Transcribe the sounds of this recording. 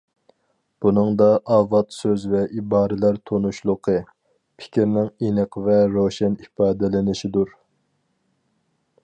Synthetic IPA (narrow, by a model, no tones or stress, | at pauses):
b̥unɨŋd̪ɑʔɑvɑt̪søzvɛʔibɑːɾɪlæɾt̪ʰonuʃlˠʊqʰə | pʰɪ̥kʲiɾnɪŋinɨqʰvɛɾoʃɛnifɑːd̪ɪlɪnɪʃid̪uɾ